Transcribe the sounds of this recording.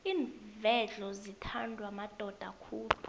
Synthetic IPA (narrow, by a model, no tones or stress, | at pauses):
iːɱvɛɮɔzitʰandʱwamad̥ʱɔd̥ʱakʰuːlu